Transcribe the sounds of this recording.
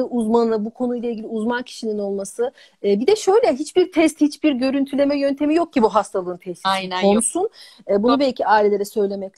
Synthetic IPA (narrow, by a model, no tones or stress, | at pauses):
ɯʔuzmannˠɯbukʰo̞nujlˠailʲɟʲilʲiuzmancʰi̥ʃinino̞lˠmasɯː | bid̪ɛʃø̞jlʲɛɦit͡ʃbiɾt̪ʰɛst̪hit͡ʃbiɾɟø̞ɾynt̪ʰylʲe̞mɛjø̞nt̪ʰe̞mijo̞k̚ɟibuɦast̪ʰalˠɯːnpʰɛso̞nsun | ɛːbunubɛlʲcʰiaːilʲee̞ɾɛsø̞jlʲe̞mɛc